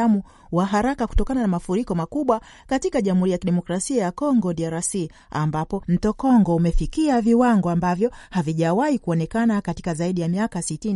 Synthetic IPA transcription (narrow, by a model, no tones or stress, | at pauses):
amu | waɦaɾakaku̥tɔkananamafuɾikɔmakuɓwa | katikaʄam̩huɾijakiɗɛmɔkɾasiajakɔŋɡɔɗiaɾasi | a̰mbapɔm̩tɔkɔŋɡɔumɛfikiaviwaŋɡɔambavjɔhaviʄawaikuɔnɛkanakati̥kazaiɗijamiakasitini